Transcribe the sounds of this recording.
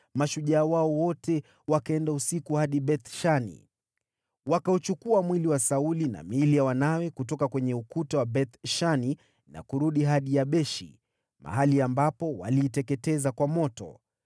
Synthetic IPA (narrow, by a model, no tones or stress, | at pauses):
maʃuʄaːwaɔwɔtʰɛ | wakaɛndausikuhaɗiɓɛt̪ʃanḭ | wakaut͡ʃukuamwiliwasaulina̰milijawanawɛkutɔkakwɛɲɛukutawabɛt̪ʃani | na̰kuɾuɗiɦaɗijaɓɛʃḭ | mʔa̰ɦaliambapɔwa̰liːtɛkɛtɛzakwamɔtɔ̰